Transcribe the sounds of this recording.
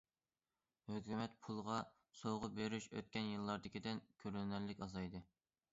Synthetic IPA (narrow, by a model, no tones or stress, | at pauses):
høkʲymɛt̪̚pʰulˠʁɑ | sowʁʊbeɾyʃø̰t̪̚kʲɛnjɨlˠːɑɾd̪ɪkʲid̪ɪnkʲʰøɾlnɛɾlːɪkʲɑzɑjd̪ɨ